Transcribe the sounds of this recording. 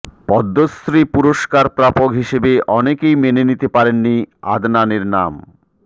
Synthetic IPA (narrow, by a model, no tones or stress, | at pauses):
pɔd̪ːost̪ɾipuɾoʃkaɾpɾapoɡɦiʃebeʔɔnekejmenenit̪epaɾenːia̰d̪naneɾnam